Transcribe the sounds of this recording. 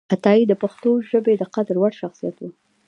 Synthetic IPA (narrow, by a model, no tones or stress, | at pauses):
at̪ɑid̪əpaxt̪oʒəbed̪əqad̪ɾwaɽʃaxsijat̪wu